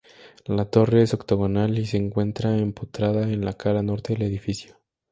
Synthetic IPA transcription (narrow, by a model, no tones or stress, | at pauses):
lat̪o̞re̞eso̞kt̪oɣonalise̞ːŋkwe̞nt̪ɾaemput̪ɾaðaenlakaɾano̞ɾt̪eðele̞ðifisjo